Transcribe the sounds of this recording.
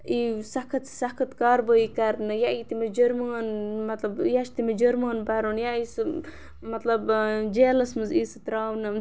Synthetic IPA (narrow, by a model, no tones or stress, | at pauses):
isɐkʰɐt̪si̥sɐkʰɐt̪kaːɾboikɐɾnɨjait̪imɐd͡ʒɐɾmɐnmɐt̪lɐbjat͡ʃʰt̪imɐd͡ʒɐɾmaːnbɐɾoːnjaisɨ | mɐt̪lɐbd͡ʒeːlɐsmɨziːsɨt̪ɾaːwnɨ